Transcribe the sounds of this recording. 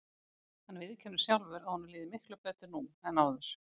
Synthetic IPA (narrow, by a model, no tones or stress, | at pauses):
hanvɪðcʰɛnːʏ̥sjawlvʏɾahunːliːðɪmɪhklʏpɛːt̪ʏnuːmɛnaːwðʏɾ̥